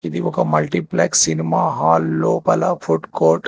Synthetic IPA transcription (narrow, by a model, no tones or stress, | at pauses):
id̪iɔkɐmɐlʈipleːksinimaːɦaːlːoːpɐlɐfuʈkoːɾʈ